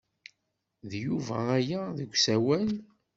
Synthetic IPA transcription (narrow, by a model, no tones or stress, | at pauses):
ðjuvææjæðəɡʷsæwæn